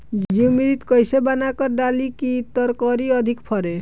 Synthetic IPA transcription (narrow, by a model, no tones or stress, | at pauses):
d͡ʒd͡ʒiwmiɾit̪kojsebanakɔɾɖalikit̪ɔɾkɔɾiɔd̪ʱikpʰɔɾe